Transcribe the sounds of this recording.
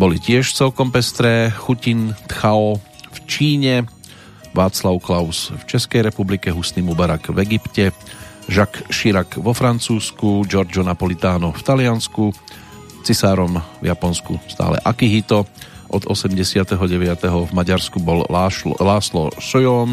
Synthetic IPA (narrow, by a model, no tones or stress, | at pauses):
bɔlicɪɛʃt͡sɛlkɔmpɛst̪ɾɛxucint̪xaɔft͡ʃiːɲɛ | ʋaːt͡slaʊklaʊsft͡ʃɛskɛjɾɛpublikɛɦusniːmubaɾakvɛɡipcɛ | ʒakʃiɾakʋɔfɾant͡suːskud͡ʒɔɾd͡ʒɔnapɔlit̪aːnɔft̪alɪansku | t͡sisaːɾɔmvjapɔnskṵst̪a̰ːlɛ̰ʔakiɦit̪ɔʔɔd̪ɔsɛmɟɛsɪat̪ɛɦɔɟɛʋɪat̪ɛɦɔvmaɟaɾskubɔllaːslɔ̰sɔjɔːn